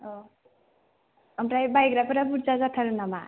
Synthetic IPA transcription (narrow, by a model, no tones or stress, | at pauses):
o | ʌmɾajbajɡɾapuɾabuɾt͡sad͡zʌt̪ʰʌɾunʌma